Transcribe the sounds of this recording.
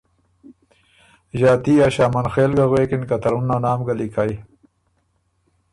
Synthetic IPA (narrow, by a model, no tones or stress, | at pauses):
ʒaːt̪ijaːɕaːmɐnxeːlɡaɣweːkinkɐt̪ɐɾunːanaːmɡalikaj